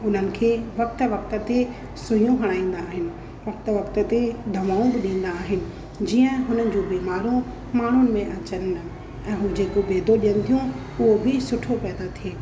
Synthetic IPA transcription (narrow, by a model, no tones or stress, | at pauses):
ʊn̤ənɪ̆kʰeːʋɐk̚t̪ʋɐk̚t̪ə̆t̪e | sʊjũɦɐɽ̃aːĩːn̆d̪aːɦɪnɪ̆ | ʋɐk̚t̪ʋɐkt̪ət̪ed̪ʱɐʋaːũbɪɗĩːn̆d̪aːɦɪnɪ̆ | d͡ʑiːə̃ɦʊn̤ənɪ̆d͡ʑõːbiːmaːɾũ | maːɳ̤ʊnɪ̆mẽʔɐt͡ɕən | ɛ̃ːɦũd͡ʑeːkobeːd̪ʱoɗijənɪ̆t̪ʰijũ | ʊɦobʱɪsʊʈʰopɛːd̪at̪ʰijeː